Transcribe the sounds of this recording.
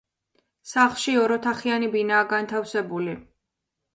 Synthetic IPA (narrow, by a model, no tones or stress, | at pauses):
saχlˠʃiɔɾɔt̪ʰaχianibinaːɡant̪ʰafsɛbuli